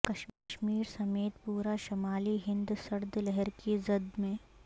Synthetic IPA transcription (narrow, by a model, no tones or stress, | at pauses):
kɐʃʃmiːɾsɐmeːt̪puːɾaʃɐmaːliɦɪ̃nd̪sɐɾd̪lɛɦɛɾkizɐd̪mẽː